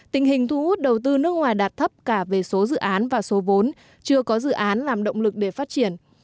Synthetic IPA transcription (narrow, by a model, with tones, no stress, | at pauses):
t̪ï˨˩ŋ̟ɦï˨˩ŋ̟t̪ʰu˧ʔu˦˥t̚ɗə˨˩wt̪ɨ˧nɨ˦˥ək̚ŋwaː˨˩jɗaː˨˩t̚t̪ʰə˦˥p̚kaː˧˩ve˨˩so˨˦zɨ̰˧˨ʔaː˨˦nvaː˨˩so˨˦vo˨˦n | t͡ɕɨ˧əkɔ˨˦zɨ̰˧˨ʔaː˨˦nlaː˨˩mɗə̰˧˨wŋ͡mlɨ˨˩k̚ɗe˧˩faː˦˥t̚t͡ɕi˧˩ən